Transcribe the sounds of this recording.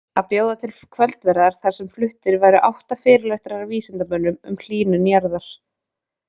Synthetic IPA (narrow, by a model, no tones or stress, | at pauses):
aðpjoːwðat̪ʰɪlkʰvɛlt̪vɛɾðaɾ̥θaɾ̥sɛmflʏht̪ɪɾvajɾʏʔawht̪afɪːɾɪlajht̪ɪɾaɾawviːsɪnt̪amœːnːʏmʏ̰ml̥iːnʏnjaɾðaɾ̥